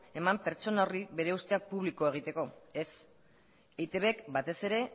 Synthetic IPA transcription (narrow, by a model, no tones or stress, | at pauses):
e̞mampe̞ɾt͡ʃo̞naoriβe̞ɾe̞ust̪e̞ak̚puβliko̞eɣ̞it̪e̞ko̞e̞s | ejt̪e̞βekbat̪e̞se̞ɾe̞